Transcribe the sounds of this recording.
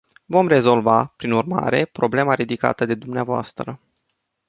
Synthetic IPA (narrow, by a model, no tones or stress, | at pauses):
vo̞mre̞zo̞lvapɾinurma̰ɾe̞pɾo̞ble̞maɾid̪ika̰t̪əd̪e̞d̪umneavoa̰st̪ɾə